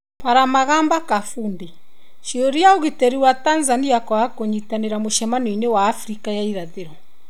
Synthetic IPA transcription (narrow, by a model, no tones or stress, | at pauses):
paɾamaɣaːmbakafuːnde | ʃioɾiaoɣitɛɾiwatanzaniakwakoɲitaneɾamoʃɛmaninewaːfɾikajaiɾaðeɾɔ